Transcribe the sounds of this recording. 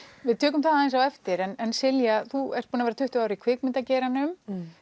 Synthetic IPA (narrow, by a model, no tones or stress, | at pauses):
vɪðt̪ʰœːk̬ʏmθaðaejnsawɛft̪ɪɾɛnɛnsɪljaθuɛ̰r̥t̪̚puːnavɛːɾat̪ʰʏht̪ʏawɾʏɾikʰvɪkmɪnt̪acɛːɾanʏm